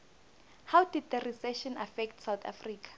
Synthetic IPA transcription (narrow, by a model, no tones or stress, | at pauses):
hawdid̚d̪ərisɛʃɔnafɛk̚tsawt̪ʰa̰friːkʰḁ